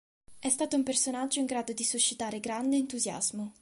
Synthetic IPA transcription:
ɛst̪aːt̪oumpersonad͡ʒːoiŋɡɾaːd̪od̪isut͡ʃːit̪aːɾeɡɾand̪eːnt̪uzja̰z̥mo

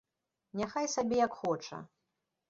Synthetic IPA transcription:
nʲaxajsabʲɛjɐkxɔt͡ʂɐ̰

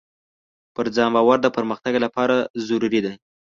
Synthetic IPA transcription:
pəɾd͡zɑmbɑwaɾd̪əpəɾməxt̪aɡlapɑɾazʊɾuɾid̪a

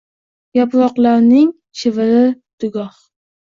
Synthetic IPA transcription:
japlˠɒqlˠaɾnɪŋ | ʃɪvɪɾɪd̪̥ʊɡɒh

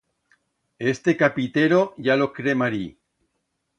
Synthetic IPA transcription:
est̪ekapit̪eɾoʝalo̞kɾemaɾi

